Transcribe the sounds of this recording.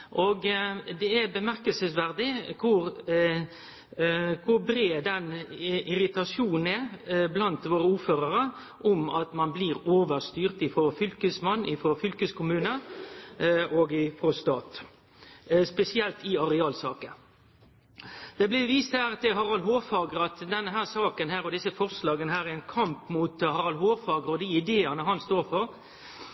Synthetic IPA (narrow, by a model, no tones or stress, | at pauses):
ʔoɡd̪ɛæbəmæʁkəlsəsʋæʁd̪ɪkʰʊɾ | kʰʊbɾeːd̪ɛnʔɪɾɪt̪ɑsuːnn̩ɛblɑnt̪ʋoːɾəuːɾføːɾəɾə | ʔɔmɑt̪mɑnbliːʁoːʋəʁst̪yːʁt̪ɪfɾɔfʏlkəsmɑnːɪfɔfʏlkəskʰʊmʉːnə | ʔɔɡɪfɾɔst̪ɑːt̪ | spɛsɪɛlt̪ɪɑʁɛɑːlsɑːkə | d̪̥ɛblɪʋiːst̪hæːɾɑt̪̚d̪ɛɦɑʁɑlɦoːfɑːɡɾɑt̪d̪ɛnːəɦæːʁsɑːkənɦæːɾɔd̪ɪsəfɔʁslɑːɡənəɦæːɾɛɛnkʰɑmpmuːt̪hɑʁɑlɦoːfɑːɡɾɔd̪iɪd̪eːənəɦɑnst̪oːɾfɔɾ